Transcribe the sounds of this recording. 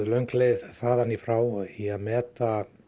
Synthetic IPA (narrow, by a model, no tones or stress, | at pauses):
lœɥŋkleðθaːðanifɾaːwiaðmɛːt̪a